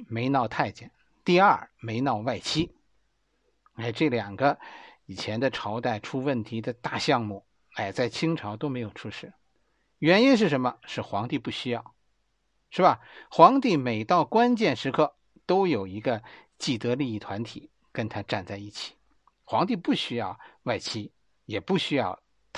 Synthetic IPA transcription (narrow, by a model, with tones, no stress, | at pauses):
me˧˥ɪnɑ˥˧ʊt̪ʰa˥˧ɪt͡ɕjɛ˥˩n | t̪i˥˧ɐ˞˥˩me˧˥ɪnɑ˥˧ʊwa˥˩ɪt͡ɕʰi˥ | e˥˩ɪʈ͡ʂɤ˥˩ljɑ˨˩ŋɡə˦i˨˩t͡ɕʰjɛ˧˥nd̪ə˧ʈ͡ʂʰɑ˧˥ʊt̪a˥˩ɪʈ͡ʂʰu˥wə˥˩nt̪ʰi˧˥d̪ə˧t̪a˥˧ɕjɑ˥˧ŋmu˥˩ | a˥˩ɪt͡sa˥˩ɪt͡ɕʰi˥ŋʈ͡ʂʰɑ˧˥ʊt̪o˥ʊme˧˥ɪjo˨˩ʊʈ͡ʂʰu˥ʂɻ̩˥˩ | ɥɛ˧˥ni˥nʂ̬ɻ̩˥˩ʂə˧˥nmə˧ʂɻ̩˥˩xwɑ˧˥ŋt̪i˥˧pu˥˩ɕy˥jɑ˥˩ʊ | ʂɻ̩˥˩bɐ˩xwɑ˧˥ŋt̪i˥˩me˨˩ɪt̪ɑ˥˩ʊkwa˥nt͡ɕjɛ˥˩nʂɻ̩˧˥kʰɤ˥˩ | t̪o˥ʊjo˨˩ʊi˧˥ɡə˧ | t͡ɕi˥˩t̪ɤ˧˥li˥˧i˥˩t̪ʰwa˧˥nt̪ʰi˨˩˦ | kə˥nt̪ʰa˥ʈ͡ʂa˥˧nt͡sa˥˧ɪi˥˩t͡ɕʰi̥˨˩˦ | xwɑ˧˥ŋt̪̬i˥˧pu˥˩ɕy˥jɑ˥˧ʊwa˥˩ɪt͡ɕʰi˥ | jɛ˨˩pu˥˩ɕy˥jɑ˥˧ʊ | t̪